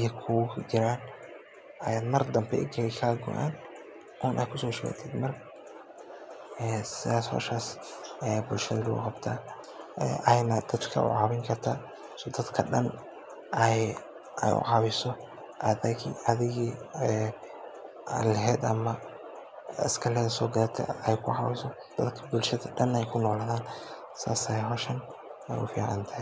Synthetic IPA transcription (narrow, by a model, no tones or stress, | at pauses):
jɐkʰud͡ʒɪɾaːn | ʔɐjaːd̪mɐrd̪ɐmbɛ̰ʔɪɡɐlɛkʰaːɡʊ̰ʔa̰ːn | ʔuːnʔɛjkʰʊsɔːʃɪɛ̰t̪ʰɛ̰ːd̪mɐr | ɛːsɪðaːshɔ̰ːʃaːsɛbʊlʃɐðɐlʊɣʊ̰qɑbt̪ʰaː | ʔɐɛjnɐd̪ɐd̪kʰɐ̰ʔʊ̰ʕɑːβɪŋkʰɐrt̪ʰaː | sɔːd̪ɐd̪kʰɐɗɐn | ʔɛj | ʔɛ̰jʊ̰ʕɑβɪsɔ | ʔɐðɪɣiɐðɪɣiɛ | lɐɦɛːd̪ɐmɐ | ɐ̰skʰɐlɐðɐsɔːɡɐɾt̪ʰɐ̰ɛjkʰʊʕɑβɪsɔ | d̪̥ɐd̪kʰɐ̥bʊlʃɐðɐɖɐnɛjkʰʊnɔːlaðaːn | sa̰ːsɛjɦɔʃɐnɛjʊfḭːʕɑ̰nt̪ʰɐ